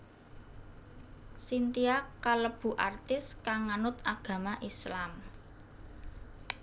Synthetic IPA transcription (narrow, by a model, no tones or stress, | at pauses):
sint̪iakaləb̥ṳʔart̪ɪskaŋanʊt̪aɡ̥ä̤maʔislam